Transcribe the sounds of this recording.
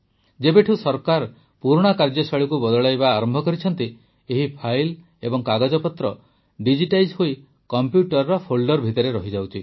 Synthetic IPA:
d͡ʒebeʈʰusɔɾkaɾ | puɾɽ̃akaɾd͡ʒɔsaɭikubɔd̪ɔɭajbaːɾɔmbʱɔkɔɾit͡ʃʰɔnt̪i | eɦipʰajl | ebɔŋkaɡad͡ʒɔpɔt̪ɾɔ | ɖid͡ʒiʈajd͡ʒɦoi | kɔmpjuʈɔɾːɔpʰolɖɔɾbʱit̪ɔɾeɾɔɦid͡ʒawt͡ʃʰi

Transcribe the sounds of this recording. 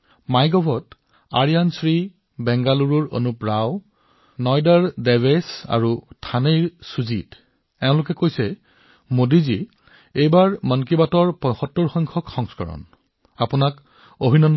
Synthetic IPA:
majɡɔbʱɔt | a̰ɹijansɹi | bɛŋɡaluɹuɹo̰nupɹaw | nɔjdaɹdɛvesa̰ɹutʰanejɹsuzit | ɛʊ̃lʊk̬ɛkojsɛ | modizi | ejbaɹmɔnkibatɔɹpɔjxɔtːɔɹxɔjŋkʰɔkxɔŋskɔɹɔ̰n | apʊnak | obʱinɔn

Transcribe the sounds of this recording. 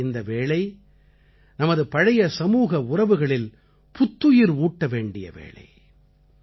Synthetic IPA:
ɪnd̪ɐʋeːɭɐɪ | nɐmɐðɯpɐɻɐjɐsɐmuːɣɐʊrɐʋɯɣɐɭɪl | pʊt̪ːɯjɪɾuːʈːɐʋeːɳɖɪ̰jɐ̰ʋḛːɭɐ̰ɪ

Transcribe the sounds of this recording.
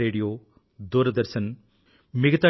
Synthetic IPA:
eːɽijoː | d̪uːɾɐd̪ɐɾsɐn | miɡɐt̪a

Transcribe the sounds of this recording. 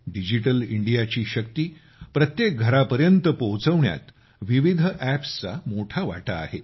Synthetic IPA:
ɖid͡ʑiʈəliɳɖijat͡ɕiːɕək̚t̪iː | pɾət̪jek̚ɡʱəɾapəɾjənt̪əpowt͡səʋɳja̰t̪ | ʋiʋid̪ʱəʔæpst͡sa̰moʈʰaʋa̰ʈa̰ːɦe

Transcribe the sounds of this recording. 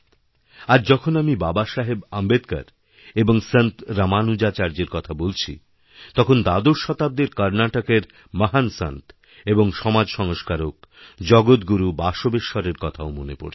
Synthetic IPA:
aɾd͡ʑɔkʰonamibabaʃaɦebambed̪ka̰ɾ | eboŋsənt̪ɾamanud͡ʑat͡ɕaɾd͡ʑeɾkɔt̪ʰabolt͡ɕʰḭ | t̪ɔkʰond̪ad̪oʃɔt̪ab̚d̪eɾkaɾnaʈakeɾ | maɦansa̰nt̪ | eboŋʃɔmad͡ʑʃɔŋoʃkaɾok̚d͡ʑɔɡot̪ɡuɾubaʃobeʃːɔɾeɾkɔt̪ʰaomonepo̰ɾʰi̥

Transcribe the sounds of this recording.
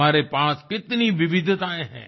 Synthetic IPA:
aːɾepaːskɪt̪niʋɪʋɪd̪ʱt̪aːẽɦɛ̰̃ː

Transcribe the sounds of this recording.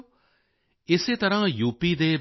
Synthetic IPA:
ɪseːt̪əɾãːjuːpiːd̪eː

